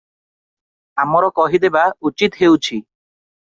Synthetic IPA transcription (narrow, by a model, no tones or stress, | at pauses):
amɔɾɔkɔɦid̪ebaut͡ʃit̪ɦewt͡ʃʰi